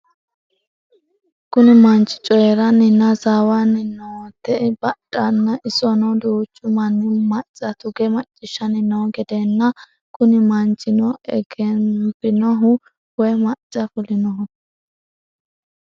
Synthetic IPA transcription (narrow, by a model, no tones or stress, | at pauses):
kʊnɪmɐnt͡ʃʼɪ̥t͡ʃʼɔjɛɾɐnːɪnːɐzaːwanːɪnɔt̪ːɛbɐɗʼɐnːɐʔɪsɔnɔd̪uːt͡ʃʼːʊmɐnːɪmɐt͡ʃʼːɐt̪ʊɡɛmɐt͡ʃʼːɪʃːɐnɪnɔɡɛd̪ɛnːɐ | kʊnɪmɐnt͡ʃʼːɪnɔɛ̰ɡɛnpɪnɔɦʊ | wɔjmɐt͡ʃʼːɐfʊlɪnɔɦʊ